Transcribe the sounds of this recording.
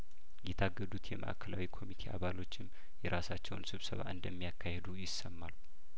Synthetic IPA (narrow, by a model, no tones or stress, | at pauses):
jɛt̪ʰaɡːəd̪ut̪jɛmə̰ʔa̰kʰəlawikʰo̞mit̪ʰe̞ʔa̰βalo̞t͡ʃːɪm | jɛɾasat͡ʃːɛwnsɨβsəβa̰ʔɨnd̪əmːijakːahed̪ujɪsːəmːalu